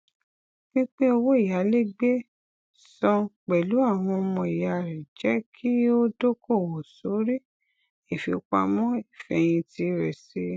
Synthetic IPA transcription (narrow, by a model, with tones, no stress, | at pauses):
nĩ˦k͡pe˦o˧wo˦i˦˨ja˨˦le˦ɡ͡be˦ | sɔ̃˧k͡pɛ˨lu˨˦a˦˨w̃ɔ̃˧o˧mɔ̃˧i˨ja˧˨ɾɛ˨d͡ʒɛ˨˦kʰi˦o˦do˦ko˦˨wo˨so˨˦ɾi˦ | i˦˨fi˨˧ka˧mɔ̃˦i˦˨fɛ˧j̃ĩ˧ti˧˦ɾɛ˨si˨˧˦